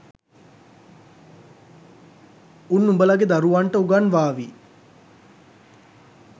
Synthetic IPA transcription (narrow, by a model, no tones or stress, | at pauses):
unːumbəlaɡed̪aɾuʋaɳʈəuɡanʋaːʋi